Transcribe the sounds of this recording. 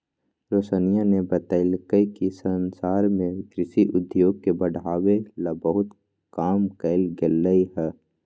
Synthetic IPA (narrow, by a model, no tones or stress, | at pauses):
ɾoːsənijanebət̪əɪlkəikisənsaːɾmẽɡɾɪsiʔʊd̪joːɡ̚kebɐɽ̤ʱaːwelɐbəɦʊt̪ | kaːmkəɪlɡelːəiɦɛː